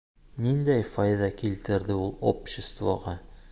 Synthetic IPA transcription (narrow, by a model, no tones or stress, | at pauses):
nind̪æjfɒjðɑkilt̪ɘ̆ɾd̪ɘulˠopɕɪst̪vo̰ʁɑ